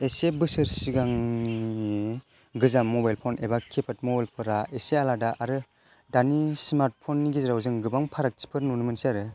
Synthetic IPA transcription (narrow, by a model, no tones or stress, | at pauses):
esebɯsɯɾsiɡaŋni | ɡɯzamːɔbajlpʰonebakʰepʰat̚mɔbajlpʰɯɾaʔesealadaʔaɾɯ | danismaɾt̚pʰonːiɡizɾawzɯŋɡɯbaŋpʰaɾak̚t͡ʃi̥pʰɯɾnunɯmɯnsiaɾɯ